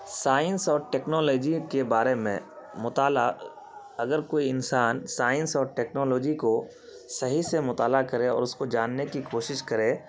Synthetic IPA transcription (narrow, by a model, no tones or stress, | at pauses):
saːɪ̃nsɔːɾʈɛːknɔːlɔːd͡ʒikebaːɾemḛ̃mʊt̪aːla | ɐɡəɾkoːiɪnsaːnsaːɪ̃nsɔːɾʈɛːknɔːlɔːd͡ʒiko | sɐɦisemʊt̪aːlakɐɾẽɔ̰ːɾʊskod͡ʒaːnːekikoːʃɪʃkɐɾẽː